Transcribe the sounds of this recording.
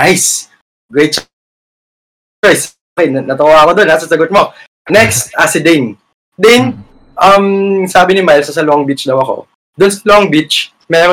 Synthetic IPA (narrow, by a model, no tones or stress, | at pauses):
ajs | ɡɹɛjt̪̚s | ajs | kɛnnɐt̪ʊaːɐkod̪o̞nːaːsɐsɐɡʊt̪̚mo̞ | nɛkst̪̚ʔasɪd̪ɛn | d̪ɛn | ʔɐmsaːbɪnɪmajlsɐsɐloŋbit͡ʃd̪ɐwɐko̞̰ | d̪ʊnsɐ̥looŋbit͡ʃ | mɛːɾo